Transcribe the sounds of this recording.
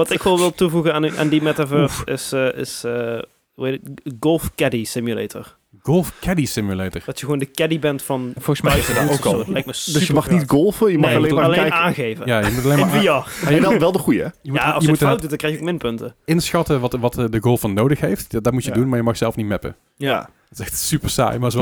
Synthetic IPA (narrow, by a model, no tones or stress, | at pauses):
ʋɑtɪkʋɛlˠʋɪlˠtuvuɣənaːna̰ːndimɛtavøɹsɪsʔɪ̰sə | uetətɡolˠfkɛdisɪmjylḛjtʰə̰ɹ | ɡ̥olˠfkɛdisɪmjylejtəɹd̥ɑtjəɣwoːndəkɛdibɛntfɑnfolˠɣəsmɛəokllɛjk̚masdəəmɑxnitɡolˠfəjənmlemalejaːnɣejvəjaːjəmutətlejnmaiaaɛlˠʋɛlˠdəχujəjəmuajəutt̚ːdutdɑŋkrɛjxjəokmɪnpɵntəɪnsxɑtəʋɑtʋɑtdəɡolˠfɑnːoːwdəxɦejftdɑtmutədunmaːɹjəmɑxsɛlˠfnitmɛpə̰ | ja | tɪsɛxtsypəɹsa̰ːjmasɛ